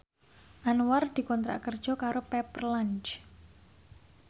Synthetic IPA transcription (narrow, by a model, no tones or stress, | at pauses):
ʔanward̪̥i̤kɔnt̪ɾa̰kərd̥ʒ̥ɔ̤kaɾopɛpərlant͡ʃ